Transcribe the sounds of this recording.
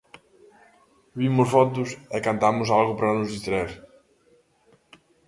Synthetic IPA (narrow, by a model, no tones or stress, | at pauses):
vimʊʃfɔt̪ʊsekɐ̃nt̪amʊzalˠɣʊpɾɐnʊzðiʃt̪ɾɐeɾ